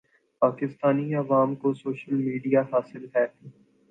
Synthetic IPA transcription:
paːkɪst̪aːniɐʋaːmkosoːʃəlmiːɖijaɦaːsɪlɦɛː

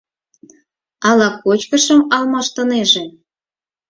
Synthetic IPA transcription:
ɑlɑkot͡ɕkə̆ʃə̆mɑlmɑʃt̪ɤ̆neʒĕ

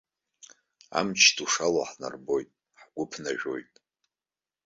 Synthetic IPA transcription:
a̰mt͡ʃʰtʰuʂaloħna̰rbo̞jtʼ | ħɡ̥ʷʊpʰnaʒᶣo̞̰jtʼ

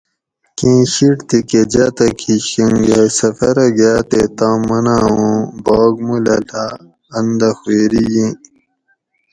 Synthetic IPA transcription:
kĩːɕiʈt̪iked͡ʑat̪ɐkʰiɕũŋɡesɐfɐɾɐɡaːt̪et̪ãːmːɐnaːõːboːɡmulɐla | ɐnd̪ɐxwueːɾijĩː

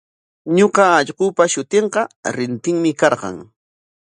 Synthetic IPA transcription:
ɲoqɑːʎɢʊpaʃʊt̪eɴqɑɾɪnt̪ɪŋmɪkɑɾɢɑ̰ŋ

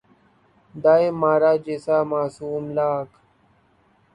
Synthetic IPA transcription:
d̪aːemaːɾaːd͡ʑesaːmaːsuːmlaːk

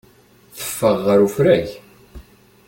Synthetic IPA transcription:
θə̥fːəʁːəɾufɾæç

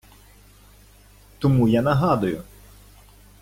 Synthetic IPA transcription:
t̪ɔmujanɐɦɑd̪ʊjʊ

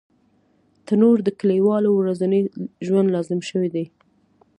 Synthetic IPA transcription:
t̪ənoɾd̪əkəliwɑlowɾazanəjʒwand̪lɑzɪmʃəwid̪aj

